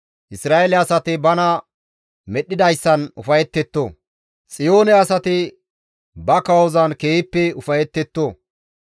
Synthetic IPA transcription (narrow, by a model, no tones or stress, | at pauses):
ʔɪsɾaːelɛɐsɐt̪ɪbɐnɐ | mɛɗːɪd̪ɐjsːɐnʊfɐjɛt̪ːɛt̪ːoː | t͡sʼɪjo̞ːnɛɐsɐt̪ɪ | bɐkɐwɔzɐnkeːɪpːɛʊfɐjɛt̪ːɛt̪ːoː